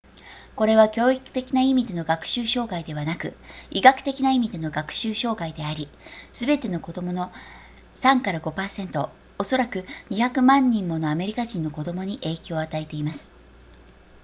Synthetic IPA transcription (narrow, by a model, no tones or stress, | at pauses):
ko̞ɾe̞β̞akʲo̞ːikɯ̟̥t̪e̞kʲinaimʲid̪e̞no̞ɡakɯ̟̥ɕɨːɕo̞ːɡaid̪e̞βanakɯ̟̰iɡakɯ̟̥t̪e̞kʲinaimʲid̪e̞no̞ɡakɯ̟̥ɕɨːɕo̞ːɡaid̪e̞aɾʲisɨbe̞t̪e̞no̞ko̞d̪o̞mo̞no̞ | sãŋkaɾaɡo̞paːsẽ̞nt̪o̞ː | so̞ɾakɯ̟ɲ̟içakɯ̟mãɲ̟ːĩmːo̞no̞ame̞ɾʲikaʑĩnːo̞ko̞d̪o̞mo̞ɲ̟iʔe̞ːkʲo̞ːat̪ait̪e̞imasɨ̥